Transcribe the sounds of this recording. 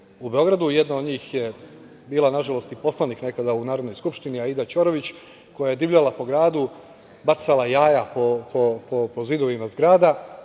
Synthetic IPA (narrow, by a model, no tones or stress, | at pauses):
ube̞o̞ɡɾad̪uje̞d̪naod̪ɲiːxje | biːlˠanaʒalˠo̞st̪ipo̞slanikne̞kad̪aunaːɾod̪nojskupʃt̪iniaid̪at͡ʃoɾoʋit͡ɕ | ko̞jaje̞d̪iʋʎalapo̞ɡɾaːd̪u | bat̪salˠajaːjapopopopozid̪o̞ʋimazɡɾaːd̪a